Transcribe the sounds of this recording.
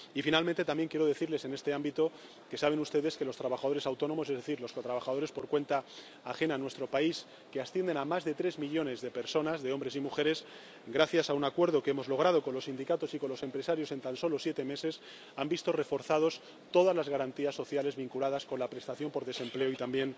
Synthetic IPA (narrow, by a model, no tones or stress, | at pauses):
ifinalmẽnt̪et̪ambje̞ŋkje̞ɾo̞ð̞e̞θiɾle̞se̞ne̞st̪e̞ambit̪o̞ | ke̞saβ̞e̞nust̪e̞ðe̞ske̞lo̞st̪ɾaβaxaðo̞ɾe̞sawt̪o̞no̞mo̞se̞zðeθiɾlo̞skot̪ɾaβaxaðo̞ɾe̞spo̞ɾkwe̞nt̪aː | xe̞nanwe̞st̪ɾo̞pais | keast̪je̞nd̪enamazðe̞t̪ɾe̞zmiʎo̞ne̞zðe̞pe̞ɾso̞nazðe̞ombɾe̞s̬imuxe̞ɾe̞s | ɡɾaθjasaunakwe̞ɾð̞o̞ke̞mo̞zlo̞ɣ̞ɾað̞o̞ko̞nlo̞sind̪ikat̪o̞sikonlo̞se̞mpɾe̞saɾjo̞se̞nt̪anso̞lo̞sjet̪e̞me̞se̞s | ambist̪o̞re̞fo̞ɾθað̞o̞s | t̪o̞ðazlazɣaɾant̪iasːo̞θjale̞zβiŋkulað̞asko̞nlapɾe̞st̪aθjo̞mpo̞ɾðe̞se̞mple̞oit̪ambje̞n